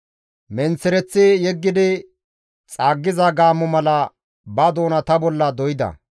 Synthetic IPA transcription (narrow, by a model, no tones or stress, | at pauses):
mɛnt͡sːɛɾɛt͡sːɪjɛɡːɪd̪ɪ | t͡sʼaːɡːɪzɐɡaːmːɔmɐlɐ | bɐd̪o̞ːnɐt̪ɐbɔlːɐd̪ɔjɪd̪ɐ̰